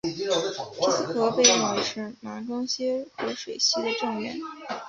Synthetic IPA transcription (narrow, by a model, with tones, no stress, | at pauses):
i˥s̩˥kɤ˧˥pe˥˧ɪɻə˥˩nwe˧˥ɪʂɻ̩˥˩ma˧˥ʈ͡ʂɑ˥ŋɕjɛ˥xɤ˧˥ʂwe˨˩ɪɕi˥d̪ə˨ʈ͡ʂɤ˥˧ŋɥɛ̰˥˩˦n